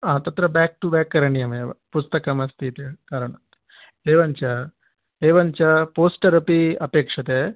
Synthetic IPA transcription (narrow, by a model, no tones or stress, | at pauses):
aːt̪ɐt̪ɾɐbɛːk̚ʈubɛːkːɐɾɐɳijɐmeʋɐ̰pust̪ɐkɐmɐst̪ʰit̪iɐkaːɾɐɳɐ | eːʋɐɲt͡ʃɐ | eːʋɐɲt͡ʃɐpoːsʈɐɾɐpiɐpeːkʂɐt̪eː